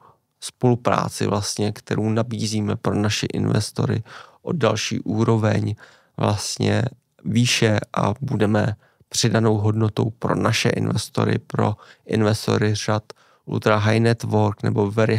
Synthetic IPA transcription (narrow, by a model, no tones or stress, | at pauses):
spo̞lupɾa̰ːt͡sɪvlast̪ɲɛkt̪ɛɾownabiːziːmɛpɾo̞naʃɪʔɪnvɛ̰st̪o̞̰ɾɪ̰ʔo̞dalʃiːʔuːɾo̞vɛɲ | vlast̪ɲɛ̰ | viːʃɛʔabudɛmɛ | pr̝̥ɪdano̞wɦo̞dno̞t̪o̞wpɾo̞̰naʃɛʔɪnvɛst̪o̞̰ɾɪ̰pɾo̞̰ʔɪnvɛst̪o̞̰ɾɪr̝̥at̪ | ʔṵt̪ɾaɦajnɛt̪voɾknɛ̰bo̞vɛɾɪ